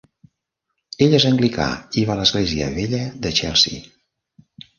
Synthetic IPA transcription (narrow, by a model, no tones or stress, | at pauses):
eʎezəŋɡlika̰iβaləzɣleziə̰βeʎəðət͡ʃɛlˠsḭ